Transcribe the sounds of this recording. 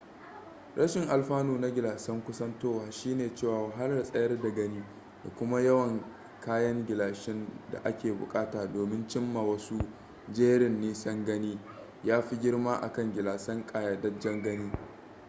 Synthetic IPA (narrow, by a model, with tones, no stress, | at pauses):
ɽʔɐ˦ʃɪ˨ŋʔa˨lɸaː˦nuː˨na˦ɡʲɪ˨laː˨sɐ˦ŋkʷʊ˦sɐ˦ntoː˦waː˨ʃiː˦neː˨t͡ʃeː˦˨waː˨wa˨ɦa˦lɐ˦rsʼɐ˦jɐ˦rda˨ɡɐ˦niː˦ | da̰˨kʷʊ˦ma˦jɐ˦wɐ˨ŋ | kaː˦jɐ˦ŋɡʲɪ˨laː˨ʃɪ˦nda̰˨ʔa˦kʲeː˨bʊ̰˨kʼaː˦taː˨doː˨mɪ˦nt͡ʃɪ˦mːa˨wɐ˦su˦ | d͡ʒeː˦ɽɪ˨nːiː˦sɐ˦ŋɡɐ˦niː˦ | jaː˦ɸi˦ɡʲɪ˦rmaː˦ʔa̰˨kɐ˦˨ŋɡʲɪ˨laː˨sɐ˦ŋkʼaː˨ja˨dɐ˦d͡ʒɐ˦ŋɡɐ˦niː˦